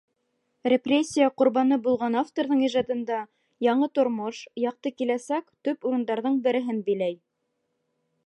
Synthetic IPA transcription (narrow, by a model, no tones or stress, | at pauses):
rʲeprʲesʲːijəqŏɾβɑnɤbulˠʁɑnaft̪oɾðɤɴiʒɑd̪ɤ̆nd̪ɑ | jɑɴɤt̪ŏɾmoʃjɑq̚t̪ɤkilæsækt̪ɵpuɾɤ̆nd̪ɑɾðɤɴbɘ̆ɾɘ̆ɦɘnbɘ̆jlæj